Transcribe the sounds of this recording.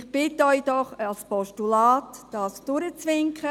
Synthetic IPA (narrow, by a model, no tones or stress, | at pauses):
χb̥ɪtœʏd̥ɔχɑlspɔʃtulaːtːd̥ɑːsd̥ʊɾət͡sʋɪŋkχə